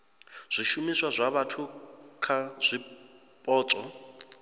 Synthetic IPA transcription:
z̥ʷiʃumiswazʷaβatʰukʰaz̥ʷi | pʼɔːt͡sʼɔ

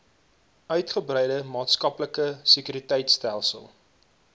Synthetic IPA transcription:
œɥtχəbrɛjdəmɑːtskɐpləkəsəkyɾitɛjtstælˠsə̰lˠ

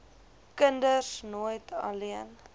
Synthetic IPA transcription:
kəndəsnuəjtʰɐ̰liən

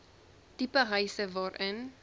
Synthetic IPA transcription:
tipəɦəjsəvɑːɾʔən

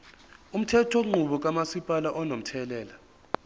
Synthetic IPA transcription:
um̩tʰɛtʰɔŋ͡ǃuɓɔk̬amasipʼalaʔɔnom̩tʰɛlɛːla

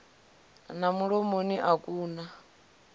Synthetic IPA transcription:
namuɺɔmoniʔakʼuːna

